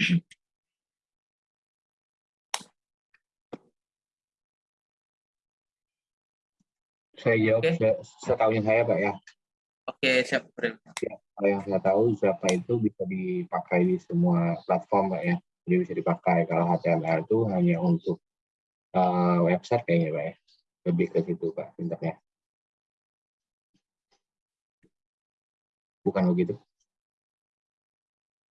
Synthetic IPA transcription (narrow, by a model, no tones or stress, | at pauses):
sajad͡ʒawasəsət̪auɲas̬ajapaʔja | okesap̚əkɾɪnjakalajaŋsajat̪auzapait̪ubisadipakajdisəmuaplat̪̚fɔrmpaʔja | udabisadipakajkaloɦat̪eamaat̪uɦaɲaunt̪ʊk̚ | əwɛpsɛt̪̚kajaɲapaʔja | ləbɪhkəsit̪upaʔpint̪ak̚ɲa | bukanbəɡit̪u